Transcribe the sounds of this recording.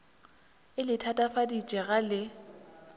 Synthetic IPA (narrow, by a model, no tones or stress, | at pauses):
ɪlɪtʰatʼafadit͡ʃʼɛɣalɪ